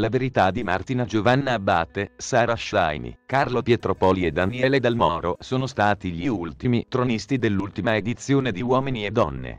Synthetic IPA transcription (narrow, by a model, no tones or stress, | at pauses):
laveɾit̪ad̪ima̰rt̪inad͡ʒovanːaabːaːt̪ːesaːɾaʃa̰jmḭkarlopjet̪ɾopɔːlied̪ːaniɛːled̪almɔːɾosoːnost̪aːt̪iʎiult̪imit̪ɾonist̪id̪elːult̪imaed̪it̪sːjoːned̪iwɔːminied̪ːɔ̰nːḛ